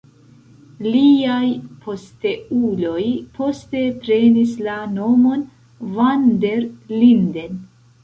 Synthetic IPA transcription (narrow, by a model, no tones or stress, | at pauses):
liajpʰo̞ste̞ulo̞jpʰo̞ste̞pɾe̞nislano̞mo̞n | vande̞ɾlinde̞n